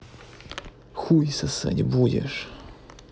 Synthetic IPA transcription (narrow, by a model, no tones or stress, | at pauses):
xujsɐsɛ̰dʲbudʲḛʂ